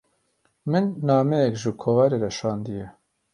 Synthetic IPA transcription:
mɨnːɑːmɛjɛkʒɨkʰovɛɾeɾɛʃɑːnd̪ijɛ

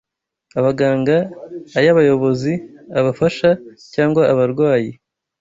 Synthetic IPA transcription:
aβaɡaːŋɡaːjaβajo̞βo̞ziaβafaʃacaːŋɡwaʔaβaɾɡwaːji

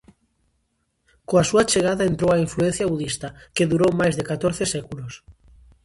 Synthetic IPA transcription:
koasuat͡ʃeɣ̞aðaẽnt̪ɾowaiɱfluenθjaβuðist̪akeðuɾowmajzðekat̪oɾθesɛkulos

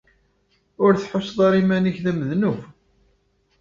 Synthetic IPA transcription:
ʊɾθħosːðˤɑɾimæniçðæməðnuf

